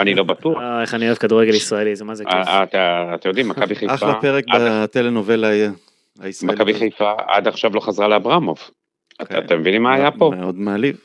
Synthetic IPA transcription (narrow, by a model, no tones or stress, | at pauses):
anilobatuaoeχanioevkaduʁeɡelisʁaelizemazekaataːt̪emjod̪imːakabiχajaχlapeʁek̚bat̪eleno̞ve̞la | aisʁmakabiχajfaa̰d̪aχʃavlo̞χazʁaleabʁamov | aa̰t̪emevinimaːjapomeo̞d̪maːliv